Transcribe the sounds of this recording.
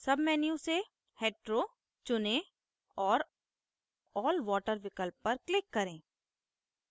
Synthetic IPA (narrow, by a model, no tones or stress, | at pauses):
sɐbmɛːnijũse | heːʈɾoː | t͡ʃʊnẽ | ɔːɾ | ɔːlʋɔːʈəɾʋɪkəlpːɐɾklɪkːɐɾẽː